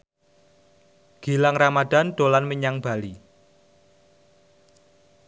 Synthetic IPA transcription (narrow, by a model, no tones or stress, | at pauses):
ɡ̥i̤laŋramad̪̥a̤nɖ̪̥o̤lanməɲaŋb̥a̤li